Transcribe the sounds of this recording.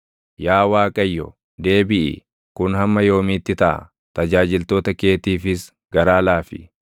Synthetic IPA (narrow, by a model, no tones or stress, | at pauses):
jaːwaːkʼɐjːɔ̰ | d̪e̞ːbɪʔɪ̰ | kʊnhɐmːɐjo̞ːmɪt̪ːɪt̪ɐʔɐ̰ | t̪ɐd͡ʒaːd͡ʒɪlt̪o̞ːt̪ɐke̞ːt̪iːfɪs | ɡɐɾaːlaːfɪ̰